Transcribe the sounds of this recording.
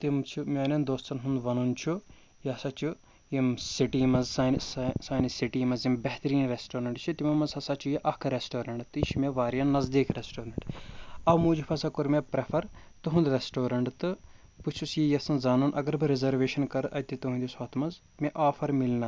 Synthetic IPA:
t̪imt͡ʃʰumʲɐːnɐnd̪oːst̪ɐnɦund̪ʋɐnunt͡ʃʰu | jiɐsaːt͡ʃʰu | jimsiʈiːmɐnzsaːnssaːnisiʈiːmɐzimbɛɦt̪ɐɾiːnɾesʈoːɾɐɳʈt͡ʃʰit̪imɐmɐzɐsat͡ʃʰujiʔɐkʰɾesʈoːɾɐɳʈt̪ɨʃʰimʲeʋaːɾijɐnːɐzd̪iːkʰɾesʈoːɾɐɳʈɐbmuːd͡ʒupʰɐsɐkuɾmʲepɾɐpʰɐɾ | t̪ɨɦũnd̪ɾesʈoːɾɐɳʈt̪ɨ | put͡ʃʰusjijɐsɐnzaːnunʔɐ̰ɡɐɾbɨɾezɐɾʋeːʃɐnkɐɾʔɐjt̪it̪uɦũnd̪iswaːt̪ʰmɐz | mʲeʔaːpʰɐɾmilnɐ

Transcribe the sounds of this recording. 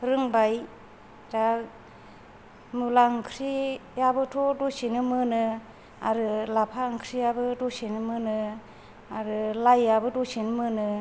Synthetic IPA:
ɾɯŋbaj | da | mulaŋkʰɾijabɯtʰɔdosinɯmɯnɯ | a̰ɾɯlapʰaɯŋkʰɾijabɯdosinɯmɯnɯ | aɾɯlajːabɯdosinɯmɯnɯ

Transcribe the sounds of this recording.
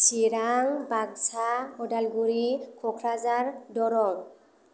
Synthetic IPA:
siɹaŋbaɡ̚saɔdalɡuɹikʰɔkʰɹazaɹdɔɾɔn

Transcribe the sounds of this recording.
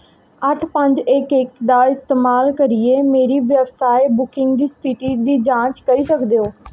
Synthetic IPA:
əʈʰpəɲd͡ʒɪkɪkd̪aːɪst̪eːmaːlkəɾɪeːmeːɾiːʋjəbsaːebʊkɪ̃ŋɡd̪iːstɪʈiːd̪iːd͡ʒãːt͡ʃkəɾiːsəkd̪eːoː

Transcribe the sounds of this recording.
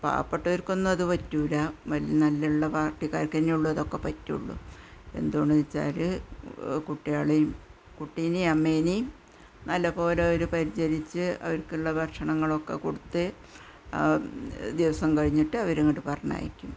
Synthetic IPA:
pa̰ːpːɐʈːuʋɐɾko̞nːɐɐðɨʋɐtːuːlɐʋɐlijɐnɐlːɐuɭːɐpaːʈːikaːrkɐniuɭːuɐðo̞kːe̞pɐtːiṵɭːṵe̞̰nd̪uoɳɖɨit͡ɕːa̰ːlɨ | kuʈːijaːɭejum | kuʈːiniɐmːeːni | nɐlːɐpo̞ːleoɾupɐɾit͡ɕɐlit͡ɕːɨɐ̰ʋɐɾkːiɭːɐbʱɐrʂɐɳɐŋːɐɭo̞kːe̞̰koɽut̪ːɨ | d̪iʋɐsɐmkɐɻiɲːiʈːɨɐʋɐɾeŋːiʈɨpɐrɐɲa̰ːjikʲːum

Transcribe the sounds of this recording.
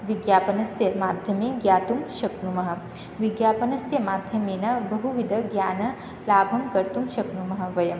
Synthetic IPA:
ʋiɡjaːpɐnɐsjɐmaːd̪ʱjɐmeːɡjaːt̪umʃɐknumɐɦɐ̆ | ʋiɡjaːpɐnɐsjɐmaːd̪ʱjɐmeːnɐbɐɦuʋid̪ʱɐɡjaːnɐ | laːbʱɐmkɐɾt̪umʃɐknumɐɦɐ̆ʋɐjɐm

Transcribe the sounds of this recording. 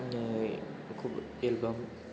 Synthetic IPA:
kʰub | elbəm

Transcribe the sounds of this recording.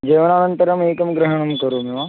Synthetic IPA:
d͡ʒeːʋɐnaːnɐ̃nt̪ɐɾɐmeːkɐmɡɾɐɦɐɳ̃ɐmkɐɾuːmeʋaː

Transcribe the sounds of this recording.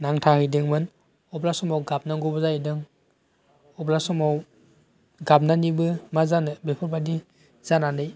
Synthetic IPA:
naŋtʰahɯjdeŋmɯn | ɔblasɔmawɡap̚naŋɡɔbɔzajdɯŋ | ɔblasɔmaw | ɡapnanibɯmazanɯbepʰɯɾbadi | z̥ananɯj

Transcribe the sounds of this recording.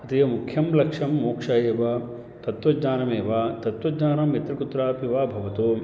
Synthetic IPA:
ɐt̪ijɐmukʰjɐmlɐkʂɐmːoːkʂajeːʋɐ | t̪ɐt̪ʋɐd͡ʒɲaːnɐmeːʋaːt̪ɐt̪ʋɐd͡ʒɲaːnɐmjɐt̪ɾɐkut̪ɾaːpiʋaːbʱɐʋɐt̪oː

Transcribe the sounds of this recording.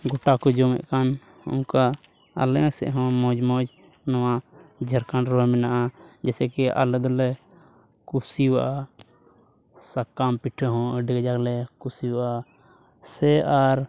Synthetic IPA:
ɡɔʈakɔd͡ʒɔmɛ̰ʔkan | ṵnka | a̰lɛ̃sɛ̰ʔɦɔ̃mɔ̃d͡ʒmɔ̃d͡ʒ | nawad͡ʒʱəɾkanɾɔmɛnaʔad͡ʒɛsɛkiʔa̰lɛd̪ɔlɛ | kusiwaʔa | sakːampiʈʰɔɦɔ̃ɖɛɡd͡ʒaklɛkusiwaʔa | sɛaɾ

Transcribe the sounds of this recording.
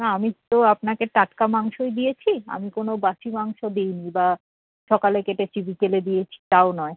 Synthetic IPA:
naamit̪oapnakeʈaʈkamaŋʃoed̪ijet͡ɕʰia̰mikonobaʃimaŋʃod̪ejniba | ʃɔkalekeʈetibʱikeled̪ijet͡ɕʰi̥t̪aonɔe

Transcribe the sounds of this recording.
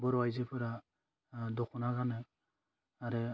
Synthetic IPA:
bɔɾwajzepʰɯɾa | dɔkʰɔnakanɯ | aɾɛ

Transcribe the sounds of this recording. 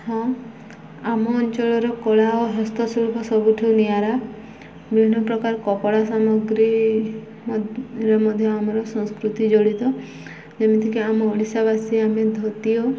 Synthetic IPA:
hɔ̃ | amɔːnt͡ʃɔɭɔɾɔkɔɭaoɦɔst̪ɔsuɭupʰɔsɔbuʈʰiunijaɾa | bɾiɳɔpɾɔkaɾɔkɔpɔɽasamɔɡɾi | ɾemɔd̪ʱjɔamɔɾɔsɔ̃ŋskɾut̪id͡ʒɔɭit̪ɔ | d͡ʒemit̪ʰikeamɔːɽisaβasiamed̪ʱɔt̪iɔ

